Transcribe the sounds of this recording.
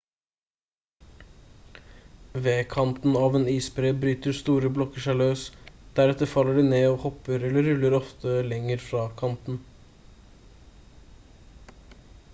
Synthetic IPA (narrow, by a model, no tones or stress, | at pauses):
ʋeːkʰɑnt̪n̩ɑːʋeːniːsbɾeːbɾyːt̪əɾst̪uːɾəblɔkəʂæɪløːsd̪̥æɾɛt̪əɾfɑlːəɖiːneːoːhɔpːəɾɛləɾʉlːəɾɔft̪ʰəlɛŋəɾfɾɑːkʰɑnt̪n̩